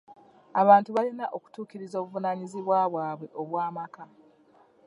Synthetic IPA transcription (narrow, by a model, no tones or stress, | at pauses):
aβaːntuβalinaʔo̞ku̥tuːkiɾizo̞ːβuvunaɲiziβwaβwaːβwe̞ʔo̞βwaːmaka